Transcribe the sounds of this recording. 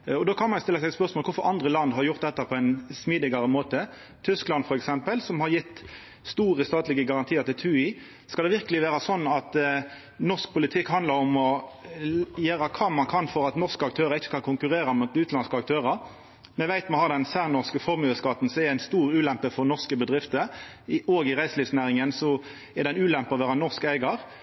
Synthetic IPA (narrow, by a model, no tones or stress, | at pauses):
ɔd̪oːkʰɑnmɑnjʊst̪ɪlːəsæspœʁsmolkʋʊɾfɔɾɑnd̪ʁəlɑnd̪ɦɑʁjʊʁt̪̚d̪ɛt̪ːəpʰɔæɪnsmiːd̪ɪɡɑɾəmoːt̪ə | t̪ʰʏsklɑnfɔɾɛksɛmpəlsɔmhɑɾjɪt̪ː | st̪uːʁəst̪ɑːt̪lɪɡəɡɑʁɑnt̪ʰiːəɾʁt̪ɪlt̪ʰʉːɪ | skɑlɛʋɪɾkəlɪʋeːɾəsɔnːɑt̪ | nɔʁsk̚pʰʊlɪt̪ʰɪkhɑnd̪lɑɾɔmɔ | jøːɾɑkʰɑmɑnkʰɑnfɔɾɑt̪nɔʁskəɑk̚t̪ʰøːʁəɾɪçːə̥kɑnkʰʊŋkʉɾeːɾɑmut̪ʉːt̪lɑnskəɑk̚t̪ʰøːʁəɾ | mɛʋæɪt̪mɛhɑʁd̪ɛnsæːʁnɔskəfɔɾmʉːəskɑt̪n̩sɔɛæɪnst̪uːʁʉːlɛmpəfɔɾnɔʁskəbəd̪ʁɪft̪ə | oːɡɪʁæɪslɪːsnæːʁɪŋənsɔ | ɛʁd̪ɛɪnʉːlɛmpəɔʋæːʁɑnɔʁskæɪɡɑʁ